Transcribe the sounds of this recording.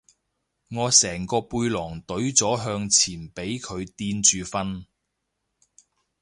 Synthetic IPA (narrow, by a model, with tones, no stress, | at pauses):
ŋɔː˨˧sɛː˨˩ŋkɔː˧puː˧jlɔː˨˩ŋt̪ɵ˨˥ɥt͡sɔː˨˥ɦœː˧ŋt͡sʰiː˨˩npe˨˥jkʰɵ˨˧ɥt̪iː˧nt͡ʃyː˨˧fɐ˥n